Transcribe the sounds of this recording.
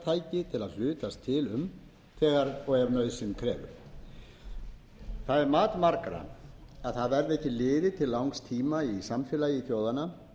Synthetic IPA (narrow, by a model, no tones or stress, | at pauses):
t̪ʰaːjcɪt̪ʰɪlaðl̥ʏːt̪ast̪ʰɪlʏm | θɛːɣaɾɔɣɛɾnœɥðsɪmkʰɾɛ̰ːvʏ̰ɾ̥ | θaðɛɾmaːt̪maɾkaɾa̰aðθaðvɛɾðɪɛhcːɪlɪːðɪt̪ʰɪlːawŋkst̪ʰiːmaisamfjɛlajiθjoːwðana